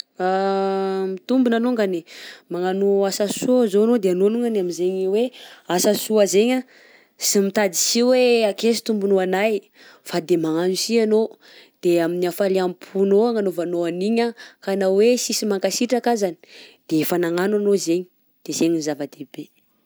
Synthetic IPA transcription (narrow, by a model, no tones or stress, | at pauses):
a | mit̪umbunanuŋɡanimaŋanuasasuazoanod̪eanonuŋɡaniaminzeɲiweasasuazeɲa | simit̪ad̪i̥siweakesi̥t̪umbunuanaj | fad̪emaŋanusiano | d̪̥eaminiafaliampʰunoaŋanovanoaniɲakanawesisimaŋkasiʈ͡ʂakazani̥d̪̥efanaŋananozeɲi | d̪̥ezeɲinizavad̪ebe